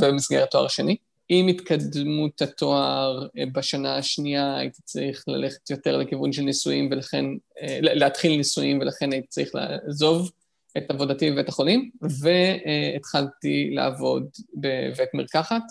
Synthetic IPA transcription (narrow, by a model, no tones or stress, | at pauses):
vebemisɡeʁt̪ːoa̰ʁaʃeni | imit̪kadmut̪hat̪o̞aʁbaʃanaːʃniaːa̰jit̪i̥t͡sʁiχla̰le̞χe̥t̪jo̞te̞ʁlekivunʃelnisujimvelaχe̞̰nleat̪χilnisujimvelaχenait̪i̥t͡saʁiχla̰zo̞v | ʔetavo̞dativeetaχo̞limve̞ːt̪χaltila̰avo̞dbevetmiʁkaχat